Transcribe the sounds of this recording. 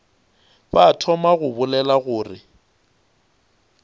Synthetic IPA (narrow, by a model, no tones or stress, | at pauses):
batʰɔmaɣʊbʊlɛlaɣʊːrɪ